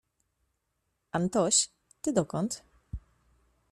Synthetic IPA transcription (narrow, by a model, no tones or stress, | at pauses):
ant̪ɔɕ | t̪ɪd̪ɔkɔnt̪